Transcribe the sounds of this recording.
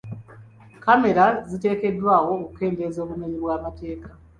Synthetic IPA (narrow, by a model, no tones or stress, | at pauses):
kame̞ɾazite̞ːke̞dːwaːwo̞kuke̞ːnde̞zo̞ːβume̞ɲiβwaːmate̞ːka